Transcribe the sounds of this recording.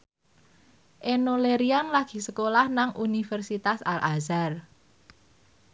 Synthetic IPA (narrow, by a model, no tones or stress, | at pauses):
ʔenoleɾianlaɡ̥i̤səkolahnaŋʔunifɛrsit̪asalʔazar